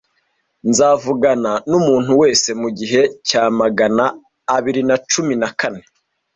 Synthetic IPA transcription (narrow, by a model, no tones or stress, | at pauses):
nzaːvuɡananumuːn̥huwe̞ːse̞muɟiɦe̞caːmaɡanaː | βiɾinat͡ʃuminakane̞